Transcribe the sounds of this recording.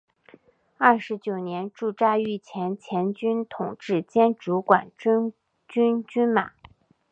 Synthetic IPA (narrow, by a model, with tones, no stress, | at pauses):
a˥˩ʂɻ̩˧˥t͡ɕjo˨˩ʊnjɛ˧˥nʈ͡ʂu˥˧ʈ͡ʂa˥˧y˥˩t͡ɕʰjɛ˧˥nt͡ɕʰjɛ˧˥nt͡ɕy˥nt̪ʰʊ˨˩ŋʈ͡ʂɻ̩˥˩t͡ɕjɛ˥nʈ͡ʂu˧˥kwa˨˩n˥ | t͡ɕy˥nt͡ɕy˥nma˨˩˦